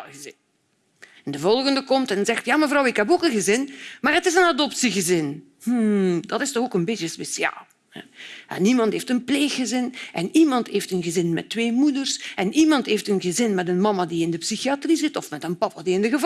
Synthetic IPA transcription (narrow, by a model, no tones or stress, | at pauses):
ɣəzɪn | ɛndəvɔlˠɣəndəkɔmtɛnzɛxtjaːməvrɑwɪkɦɛpoːkənɣəzɪnmaːrətɪzənadɔpsiɣəzɪn | h̩dɑtɪstɔxoːkənbɪtjəspesja̰ːlˠ | hɛ̰ɛ̰nimɑntɦeftənpleːxːəzɪnʔɛnimɑntɦeːftənɣəzɪnmɛ̰tːweːmudərsɛnimɑntɦeːftənɣəzɪnmɛtənmɑmadiɪndəpsixiatrizɪtɔfmɛtənpɑpadiɪndəɣəv